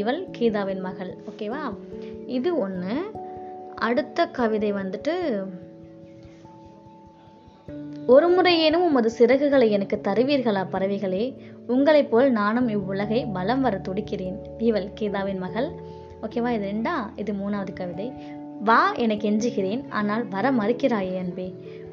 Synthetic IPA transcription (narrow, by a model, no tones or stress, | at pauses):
iːʋɐlkiːðaːʋɪnmɐɣɐɭoːkeːʋaːɪðɯɔnːɯ | ʔɐɽɯt̪ːɐkɐʋɪðɐɪʋɐnd̪ɯʈːɯ | ɔɾɯmʊrɐɪjeːnɯmʊmːɐðɯsɪɾɐɣɯɣɐɭɐɪɛnɐkːɯt̪ːɐɾɯʋiːɾɣɐɭaːpɐɾɐʋɪɣɐɭeːʊŋɡɐɭɐɪpːoːlnaːnɯmɪʋːʊlɐɣɐɪbɐlɐmʋɐɾɐt̪ːɔɽɪkːɪreːnd̪iːʋɐlkeːðaːʋɪnmɐɣɐɭ | oːkeːʋaːɪðɯɾɛɳɖaːɪðɯmuːnaːʋɐðɯkɐʋɪðɐɪ | ʋaːɛnɐkːɛɲd͡ʒɯɣɪɾeːna̰ːnaːlʋɐɾɐmɐɾɯkːɪɾaːjeːɐnbeː